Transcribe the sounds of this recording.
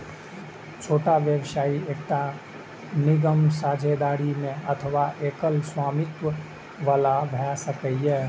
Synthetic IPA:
t͡ʃʰoːʈaʋjəwsaːieːk̚ʈa | niɡəmsaːd͡ʒʱed̪aːɾimẽət̪ʰəʋaʔekəlswaːmɪt̪ʋə | ʋaːlabʱɛsəkəɛ

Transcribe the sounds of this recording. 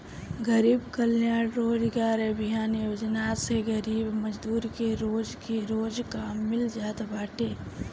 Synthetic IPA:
ɡəɾiːbkəljaːɽɾoːd͡ʒɡaːɾəbʱɪjaːnjoːd͡ʒnaseɡəɾiːbməd͡ʒd̪uːɾkeɾoːd͡ʒkiɾoːd͡ʒkamːɪld͡ʒaːt̪baːʈeː

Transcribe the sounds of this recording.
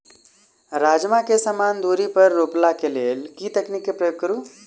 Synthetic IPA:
ɾaːd͡ʒmakesəmaːnd̪uːɾipəɾːoplakeleːlkit̪əknikːepɾəjoɡ̚kəɾuː

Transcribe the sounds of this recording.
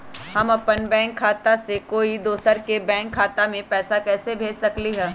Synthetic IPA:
hɐmɐpənbɛ̃ːŋkʰːaːt̪asekoːid̪oːsəɾkebɛ̃ːŋkʰːaːt̪amẽpɛːsakɛːsebʱeːd͡ʒsɐkliɦɛ̃ː

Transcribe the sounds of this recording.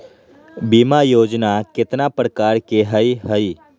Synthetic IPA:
biːmajoːd͡ʒnakɪt̪napɾəkaːɾkeɦəiɦəi

